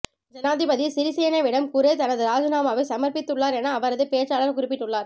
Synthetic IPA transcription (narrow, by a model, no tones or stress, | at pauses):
d͡ʒɐnaːðɪbɐðisɪɾɪsɛjɐnɐʋɪɽɐmkuɾeːt̪ɐnɐðɯɾaːd͡ʒɯnaːmaːʋɐsɐmɐɾpɪt̪ːɯɭːaːɾɛnaːʋɐɾɐðɯpeːt͡ʃaːlɐɾkʊɾɪpːɪʈːɯɭːaːɾ